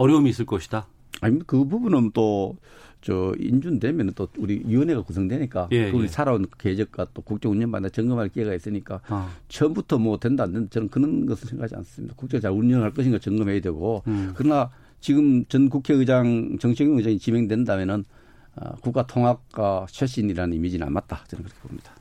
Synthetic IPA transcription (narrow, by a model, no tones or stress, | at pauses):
ʌɾjoumiːs͈ɯɭk͈ʌɕʰi̥d̥a | aɲiekɯbubunɯnt͈o | t͡ɕʌḭnd͡ʑundwe̞mjʌnɯnt͈ouɾijiwʌne̞ɡakusʰʌŋdwe̞ɲik͈aouɾisʰaɾaonked͡ʑʌk̚k͈at͈okuk̚t͡ɕ͈ʌŋuɲɲʌnba̰nd̪at͡ɕʌŋɡɯmɦaɭkieɡais͈ɯɲik͈at͡ɕʌmbutʰʌmʌdwe̞ndandendet͡ɕʌnɯnkɯnɯnɡʌsʰɯɭsʰeŋɡad͡ʑia̰nsɯmjid̥akuk̚t͡ɕ͈ʌŋt͡ɕaunɲʌnɦaɭk̬͈ʌɕʰinɡat͡ɕʌŋɡɯmɦedwe̞ɡokɯɾʌna | t͡ɕiɡɯmt͡ɕʌnk̬ukʰeɯd͡ʑaŋt͡ɕʌŋt͡ɕʰeɡjʌŋɯd͡ʑaŋit͡ɕime̞ŋdwendamjʌnɯn | a̰kuk͈atʰoŋɦak̚k͈aɕʰweɕ͈iniɾanɯnimid͡ʑina̰nmat̚t͈at͡ɕʌnɯnkɯɾʌkʰebomɲid̥ḁ